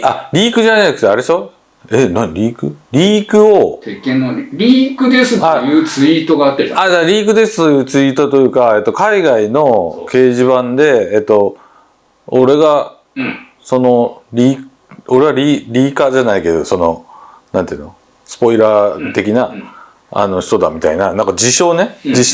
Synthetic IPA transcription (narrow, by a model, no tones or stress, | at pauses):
aɾʲiːkɯ̟ʑanaikɯt̪ːeaɾeɕo̞ | enaɲiɾʲiːkɯ̟ɾʲiːkɯ̟o̞t̪ekẽnoɾʲiːkɯ̟d̪esɨt̪aojɯːt͡sɨit̪o̞ɡaːt̪ːeaad̪aɾʲiːkɯ̟d̪e̞sɨ̥t̪o̞jɯ̟ːt͡sɨiːt̪o̞t̪o̞jɯ̟ːkae̞t̪ːo̞kaiɡaino̞ke̞ːʑiβãnd̪e̞ːt̪ːo̞ | oɾe̞ɡa | so̞no̞ɾʲiː | o̞ɾe̞βaɾʲiːɾʲiːkaʑanaike̞d̪o̞so̞no̞ | nãnt̪eiɯno | sɨ̥po̞iɾaːt̪e̞kʲina | a̰no̞çi̥t̪o̞d̪a̰mʲit̪a̰inanãŋkad͡ʑiɕo̞ːne̞d͡ʑiɕ